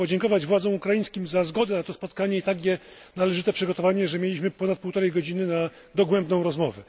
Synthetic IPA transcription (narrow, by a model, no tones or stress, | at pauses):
pɔd͡ʑɛŋkɔvad͡ʑvwad̪zɔ̃w̃ukɾajĩj̃skʲimzazɡɔd̪ɛnat̪ɔspɔt̪kaɲɛit̪aɡʲjɛ | nalɛʐɘt̪ɛpʂɘɡɔt̪ɔvaɲɛʐɛmʲjelʲiɕmɘpɔnat̪̚puwt̪ɔɾɛjɡɔd͡ʑinɘna | d̪ɔɡwɛmbnɔ̃w̃ɾɔzmɔvɛ